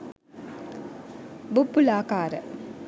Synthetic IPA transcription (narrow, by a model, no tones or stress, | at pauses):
bupːulaːkaːɾə̰